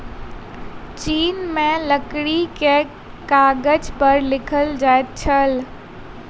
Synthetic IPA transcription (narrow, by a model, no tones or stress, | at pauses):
t͡ʃiːnmẽləkɽike | kaːɡəd͡ʒpəɾlɪkʰəld͡ʒaːet̪̚t͡ʃʰəl